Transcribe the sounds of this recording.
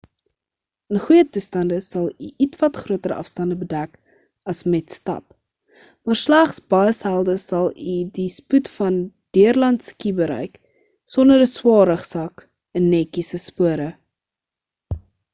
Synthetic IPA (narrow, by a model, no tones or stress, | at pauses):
ənχujətustɐndəsɐlˠiʔitvɐtχruətəɾə̰ɐ̰fstɐndəbədæk | ɐsmɛtstɐ̰p | mɑːrslæχsbɑshælˠdəsɐlˠidisputfɐn | d̥iərlɐntskibəɾɛ̰jk | sɔndəɾəswɑːɾəχsɐk | ənːɛkisəspuəɾə